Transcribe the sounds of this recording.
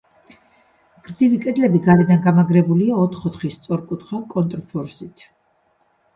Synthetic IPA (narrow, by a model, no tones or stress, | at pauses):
ɡ̥ɾd̪zivikʼɛd̪lɛbiɡaɾɛd̪anɡamaɡɾɛbuliaɔt̪ʰχɔt̪χist̪sʼɔɾkʼut̪χakʼɔnt̪ʼɾpʰɔɾsit̪ʰ